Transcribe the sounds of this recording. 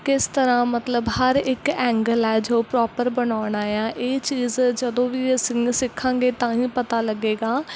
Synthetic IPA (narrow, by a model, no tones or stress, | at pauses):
kɪst̪əɾãːmət̪ləbɦəɾɪkɛ̃ːŋɡəlɛːd͡ʒopɾɔːpəɾbənaːɳaːjãːʔeːt͡ʃiːzd͡ʒəd̪õːʋiːsɪŋsɪkʰːãːŋɡeːt̪ãːĩːpət̪aːləɡeːɡaː